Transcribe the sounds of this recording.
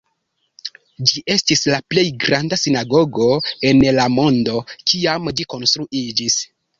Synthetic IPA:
d͡ʒiʔe̞stislaple̞jɡɾandasinaɡo̞ɡo̞e̞nlamo̞ndo̞kiamd͡ʒiko̞nstɾuʔid͡ʒis

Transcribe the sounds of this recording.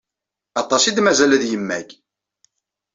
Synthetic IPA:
ɑt̪ˤːɑsid̪mæzælæðjəmːæç

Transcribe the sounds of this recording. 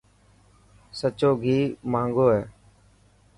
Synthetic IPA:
sət͡ʃoːɡʱiːmãːŋɡoːɦɛː

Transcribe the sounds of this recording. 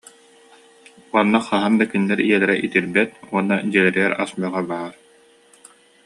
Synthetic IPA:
uɔnːaχaɦand̪akynːɛɾijɛlɛɾɛʔit̪iɾbɛt̪̚uɔnːad͡ʑilɛɾiɛɾasmyɔʁabaːɾ

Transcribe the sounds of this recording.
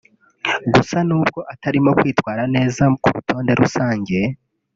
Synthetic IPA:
ɡusanuːb̚ɡo̞ʔataɾimo̞kwiːtwaːɾane̞ːzakuɾutʰo̞ːnde̞ɾʔusaːɲɟe̞

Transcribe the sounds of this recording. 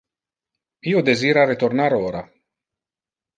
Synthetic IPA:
iːod̪eziːɾaɾet̪ornaɾoːɾa

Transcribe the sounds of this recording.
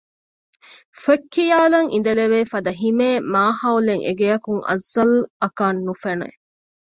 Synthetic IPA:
fekʰːijaːlɐŋʔḭn̆d̪ɐleʋeːfɐd̪ɐɦimeːmaːhɐwleŋʔḛɡejɐkuŋɐ̰zːɐlɐkaːnːufɐnṵḛ

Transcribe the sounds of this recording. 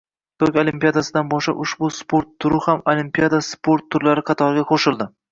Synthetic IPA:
t̪ʰɵkʲolimpijad̪asɪd̪anbɒʃa̰ʔʊʃbʊspoɾt̪ʰːʊɾɪhamolimpijad̪aspoɾt̪ʰːʊɾlaɾɪqʰɑt̪ʰɒɾɡʲaqʰoʃɪlˠd̪ɪ

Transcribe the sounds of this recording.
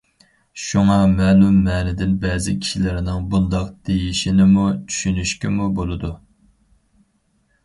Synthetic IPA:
ʃuŋɑmɛːnumɛːnɪd̪ɪnbɛzɪkʲʰi̥ʃilɪɾɪnɪŋbund̪ɑqd̪̥ejiʃinɪmut͡ʃʰy̥ʃynyʃkʲɪmubolˠɨd̪u

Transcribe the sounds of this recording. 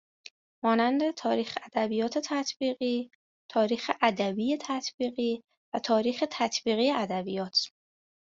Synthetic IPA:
mɒːnænd̪e̞t̪ʰɒːɾiːxeæd̪̥æbijɒːt̪ʰet̪ʰæt̪ʰb̥iːɣiː | t̪ʰɒːɾiːxeʔæd̪æbiːjet̪ʰæt̪ʰbiːɣiː | væt̪ʰɒːɾiːxet̪ʰæt̪ʰbiːɣiːjeʔæd̪æbijɒːt̪ʰ

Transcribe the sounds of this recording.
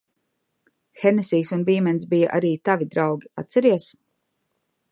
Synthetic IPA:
xɛnɛsiːsunbiːmɛnsbija̰ʔa̰ɾiːt̪avid̪ɾawɡʲia̰t̪t̪sɛɾiɛs

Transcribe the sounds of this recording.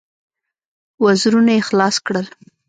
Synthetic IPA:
wazɾunajexlɑskɽəl

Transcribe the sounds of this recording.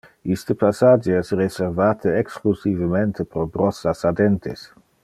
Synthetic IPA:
ist̪əpasad͡ʒeɛsreseɾvaːt̪ʰəeksklusivəment̪ʰəpɾobɾɔsasad̪ent̪ʰḛs

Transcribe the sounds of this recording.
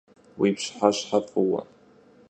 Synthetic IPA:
wipʰʂħaʃħapʼuwa̰

